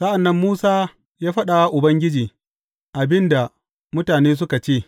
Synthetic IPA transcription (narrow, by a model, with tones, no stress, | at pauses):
sɐ˦ʔa˨nːɐ˦mːuː˦saː˦ | jaː˦ɸɐ˦ɗa˨wa˦ʔʊ˨bɐ˦ŋɡʲɪ˦d͡ʒiː˨ | ʔa˨bɪ˦nda˨ | mʊ˦taː˨neː˦s̬ʊ˦ka˨t͡ʃeː˦˨